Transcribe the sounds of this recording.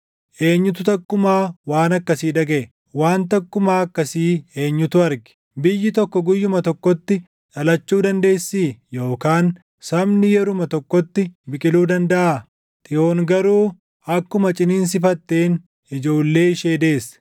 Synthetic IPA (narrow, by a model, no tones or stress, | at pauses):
ʔe̞ːɲːʊt̪ʊt̪ɐkːʊmaːwaːnɐkːɐsiːd̪ɐɡɛʔɛ | waːnt̪ɐkːʊmaːɐkːɐsiːe̞ːɲːʊt̪ʊɐɾɡɪ̥ | bɪjːɪt̪ɔkːɔɡʊjːʊmɐt̪ɔkːɔt̪ːɪ | ᶑɐlɐt͡ʃːuːd̪ɐnd̪e̞ːsːiːjo̞ːkaːn | sɐmnɪjɛɾʊmɐt̪ɔkːɔt̪ːɪbɪkʼɪluːd̪ɐnd̪ɐʔaː | t̪ʼɪʔo̞ːŋɡɐɾuː | ɐkːʊmɐt͡ʃʼɪniːns̬ɪfɐt̪ːe̞ːn | ɪd͡ʒo̞ːlːe̞ːɪʃeːd̪e̞ːs